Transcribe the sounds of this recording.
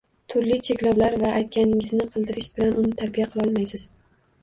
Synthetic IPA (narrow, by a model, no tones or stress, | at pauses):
t̪ʰʊɾlɪt͡ʃʰe̞kʲlɒwlaɾvaʔajt̪̚kʲanɪŋɪznɪqʰɨlˠd̪ɪɾɪʃbɪlanʔʊnɪt̪ʰaɾbijaqʰɨlˠɒlˠmajsɪz̥